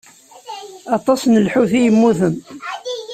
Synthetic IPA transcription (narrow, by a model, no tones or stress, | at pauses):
ɑt̪ˤɑsnəlħuθijəmːuθəm